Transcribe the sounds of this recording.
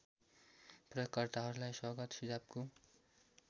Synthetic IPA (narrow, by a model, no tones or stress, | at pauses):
prʌjʌkːʌrt̪aɦʌɾulajswʌɡʌt̪sid͡zab̚ko